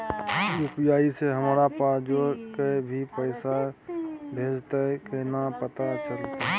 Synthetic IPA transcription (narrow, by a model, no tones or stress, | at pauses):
jupjaːiseɦəmɾapaːd͡ʒokebʱipəɪsa | bʱeːd͡ʒt̪aɛkenapət̪at͡ʃəlt̪a